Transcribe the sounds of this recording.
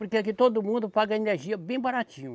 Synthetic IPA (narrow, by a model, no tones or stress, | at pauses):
ʊɾkeɛkɪt̪od̪ʊmũnd̪ʊpaɡɐeneɾʒiɐbẽj̃baɾat͡ʃĩɲʊ